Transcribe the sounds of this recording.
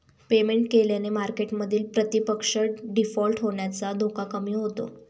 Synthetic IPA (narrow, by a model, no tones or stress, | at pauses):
pemeɳʈkeljanemaɾkeʈməd̪ʱiːlpɾət̪ipəkʂəɽɖifɔlʈɦoɳjat͡sad̪ʱokakəmiːɦot̪o̰